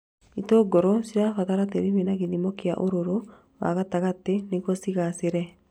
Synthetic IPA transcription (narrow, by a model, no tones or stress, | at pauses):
itoːɡɔɾɔsiɾafataɾateɾimenaɣinimokea̰ʔoɾoɾo | wa̰ɣataɣateneɣɔsiɣaseɾɛ